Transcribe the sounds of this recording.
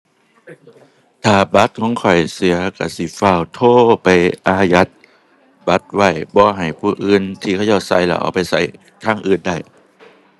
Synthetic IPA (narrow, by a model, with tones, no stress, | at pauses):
t̪ʰaː˨˩ba˧˦˥t̪̚kʰɔː˨˦ŋkʰɔ˨˩jsi˨˦ɐka̰˧˩si˧˩˦fa˧˩˨wt̪ʰoː˧˩pa˨jʔaː˧ja˧˦t̪̚ | ba˧˦t̪̚wa˧˩jbɔː˧˦ɦa˨˩jpʰuː˧ʔɯː˧˥nt̪ʰiː˧˩ka˧˨ja˧˩wsa˧˩jla̰˧˩ʔa̰˧˩wpa˨jsa˧˩j | kʰaː˧˩˨ŋʔɯː˧nda˧˩j